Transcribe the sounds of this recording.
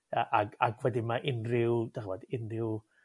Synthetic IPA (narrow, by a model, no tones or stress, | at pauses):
əʔaɡaɡwɛdɪmaʔɪnrɪwd̥ɛχvɔdɪnrɪw